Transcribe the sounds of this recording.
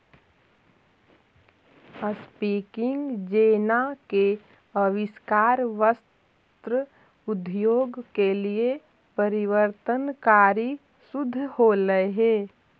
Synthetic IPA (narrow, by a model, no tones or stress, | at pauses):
əspiːkɪ̃ŋɡd͡ʒeːnake | əʋɪskaːɾʋəs | t̪ɾə | ʊd̪ʱjoːɡkelie | pəɾɪʋəɾt̪ənkaːɾi | sʊd̪ʱːholəeɦeː